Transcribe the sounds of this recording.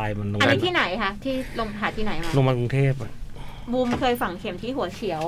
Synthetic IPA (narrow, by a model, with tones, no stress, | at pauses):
jma˧nlo˧a˧ni˦˥t̪ʰiː˥˩na˩˦jkʰa˦˥t̪ʰiː˥˩lo˧ŋʰaː˨˩t̪ʰiː˥˩na˨˩˦jmaː˧lo˧ŋma˧ku˧ŋt̪ʰeː˥˩p̚buː˧mkʰɤː˧jfa˨˩ŋkʰe˧˩mt̪ʰiː˥˩ɦu˩˦ɐt͡ɕʰi˩˦əw